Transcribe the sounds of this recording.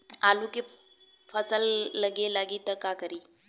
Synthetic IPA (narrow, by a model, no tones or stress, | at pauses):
aluke | fʰəsəlːəɡelaɡiːt̪əɾkakəɾiː